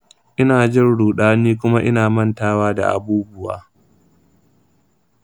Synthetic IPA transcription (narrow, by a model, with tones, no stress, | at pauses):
ʔɪ˦naː˨d͡ʒɪ˦nɽuː˨ɗaː˦niː˦k̬ʷʊ˦ma˦ʔɪ˦naː˨mɐ˦ntaː˦waː˦da̰˨ʔa̰˨buː˦bʊ˦wa̰ː˨